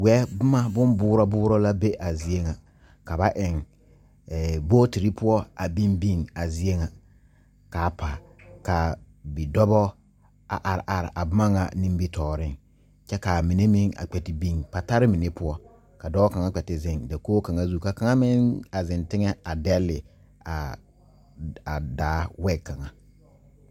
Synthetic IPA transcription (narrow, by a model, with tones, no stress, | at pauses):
wɛ˦bʊ˦ma˦bʊ˦mbʊː˦ɾɔ˦bʊː˦ɾɔ˦la˦be˦ʔa˨zi˨˦e˦ŋa˨ | ka˨ba˦ʔɪ˨ŋː˨ | boː˦ti˨ɾi˦pʰʊ˦ɔ˦a˨bi˦mbi˦˨ŋa˨zɪ˦e˦ŋa˨ | ka˨pʰa˨ | ka˨ | bi˨dɔ˦bɔ˦ | a̰˨ʔa˨ɾɪ˨ʔa˨ɾɪ̰˨ʔa˨bʊ˦ma˦ŋa˨nɪ̃˦mbi˦tʰɔː˨ɾɪ˦˨ŋ | t͡ʃɛ˦ka˨mi˨ne˦mɪ˦ŋa̰˨k͡pɛ˨tɪ˨bi˦˨ŋpa˨ta˦ɾɪ˦mi˨ne˦pʊ˦ɔ˦ | ka˨dɔ˦ka˨ŋa˦k͡pɛ˨tɪ˨zɪ˦˨ŋda˨koː˦ka˨ŋa˦zu˦˨ka˨ka˨ŋa˦mɪ˦ŋa˨zɪ˨ntɪ˦ŋɛ˦a˨dɛ˦lɪ˨ | a˨ | a˨daː˨˦wɛ˦kːa˨ŋa˨